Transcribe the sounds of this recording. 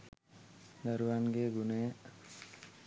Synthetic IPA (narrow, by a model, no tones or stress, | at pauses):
d̪əɾuwanɡeɡune